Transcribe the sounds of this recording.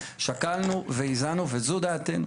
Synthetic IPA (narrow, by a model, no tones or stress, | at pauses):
ʃakalnuveizanuvezud̪aːt̪enu